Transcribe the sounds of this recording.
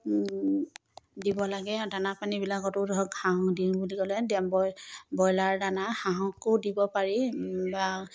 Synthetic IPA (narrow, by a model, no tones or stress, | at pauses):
dibɔlaɡɛdanapanibilakɔtʊɔɡhaɦɔ̃dinbuliɡɔlɛdɛbɔbɔjlaɹdanaxaɦɔ̃kʊdibɔpaɹiba